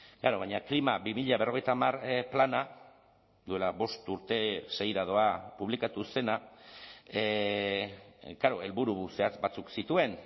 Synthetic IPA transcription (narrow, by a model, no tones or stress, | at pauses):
ɡ̥aɾo̞β̞ajɲaklimabimiʎaβe̞ro̞ɣe̞jt̪aːmarplana | d̪ue̞laβo̞st̪uɾt̪e̞se̞jɾað̞o̞apuβlikat̪use̞na | ɡaɾo̞e̞lβuɾuse̞at͡sbat͡suksit̪ue̞n